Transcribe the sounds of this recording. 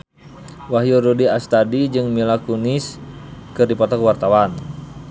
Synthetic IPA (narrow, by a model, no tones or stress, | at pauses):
waɦjurudiast̪adid͡ʒɨŋmilakuniskɨrdipat̪akwart̪awan